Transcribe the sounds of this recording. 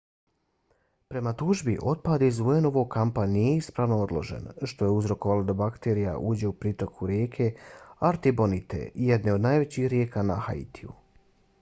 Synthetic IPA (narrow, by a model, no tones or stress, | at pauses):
pɾe̞mat̪uʒbiʔo̞t̪̚paːd̪iizueno̞ʋo̞ɡ̚kampanije̞ispɾaːʋno̞od̪lˠo̞̰ʒḛnʃt̪o̞je̞uzɾo̞koʋalod̪abakt̪e̞ɾija̰ʔuːd͡ʑe̞upɾit̪o̞kʰuɾjeːkʰe̞aɾt̪ibo̞nit̪ḛijed̪ne̞o̞d̪naːjʋe̞t͡ɕixɾjeːkanaxa̰ḭt̪ʰiṵ